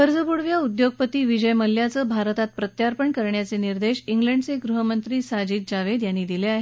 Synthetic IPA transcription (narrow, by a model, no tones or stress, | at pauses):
kəɾd͡zəpuɽʋjaud̪joɡ̚pət̪iːʋid͡ʑəjməlːjat͡səbʱaɾt̪at̪̚pɾət̪jaɾpəɳkəɾɳjat͡seniɾd̪eɕiŋɡləɳɖt͡seɡɾuɦəmənt̪ɾiːsad͡ʑiːt̪̚d͡ʑaʋed̪janːiːd̪ileaɦe